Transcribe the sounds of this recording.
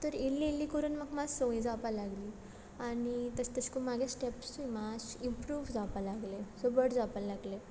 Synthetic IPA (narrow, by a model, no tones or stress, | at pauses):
t̪əɾilːiːlːikəɾuːnmaɡmad͡zsoĩd͡zapalaɡliː | anit̪əst̪əskəmaɡesʈepsuimasimpɾuːʋd͡zapalaɡlesobəɽd͡zapalaɡle